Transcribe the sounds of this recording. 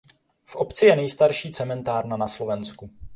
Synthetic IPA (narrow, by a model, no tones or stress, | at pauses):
fʔo̞pt͡sɪjɛnɛjst̪aɾʃiːt͡sɛmɛnt̪aːɾnanaslo̞vɛnsku